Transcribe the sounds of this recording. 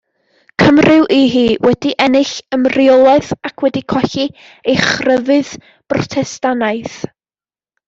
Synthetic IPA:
kʰəmrɨwʔiɦiːwɛdiʔɛnɪɬəmrɪɔlˠaɨðakʰwɛdikʰɔɬi | ejχrəvɨð | b̥rɔtʰɛstanaɨθ

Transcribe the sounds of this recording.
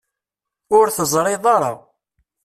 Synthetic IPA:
ʊɾθəzˤɾˤɪðˤɑɾˤɑ̰ʁ

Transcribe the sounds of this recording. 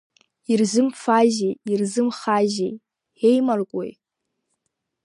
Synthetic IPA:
irzʷɨmfaʒejirzɨmχaʒej | ejmarkʷʼo̰j

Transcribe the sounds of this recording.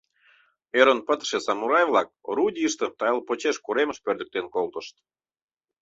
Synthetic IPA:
eɾonpət̪ʃesɑmuɾɑjvlˠɑk̚ɾudʲiəʃt̪ə̆t̪ɑjlpot͡ɕeʃkuɾemə̆ʃpørd̪ə̆k̚t̪enkolt̪ə̆ʃt̪

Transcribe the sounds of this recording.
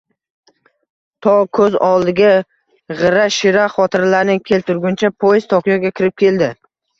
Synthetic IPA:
t̪ʰɒkʰɵzɒlˠɪɡʲa | ʁɨɾaʃɪɾaχɒt̪ʰɪɾlaɾnɪkʲʰe̞lt̪ʰʊɾɡʲʊnt͡ʃʰapʰojz̥t̪ʰɒkjɒɡʲakʲʰɪɾɪp̚kʲʰe̞ld̪ɪ

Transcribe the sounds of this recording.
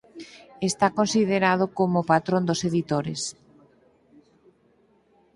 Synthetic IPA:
est̪akonsiðeɾað̞okomopat̪ɾond̪oseðit̪oɾḛs

